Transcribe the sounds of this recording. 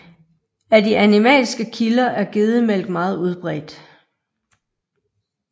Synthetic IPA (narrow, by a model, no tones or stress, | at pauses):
æd̥iʔænimɛ̰ːlsɡ̥əkʰilɐʔæɐɡ̥eð̩ˠmel̰ɡ̥mɑ̈ːð̞̩ˠuð̞ˠb̥ʁɛ̰ːd̥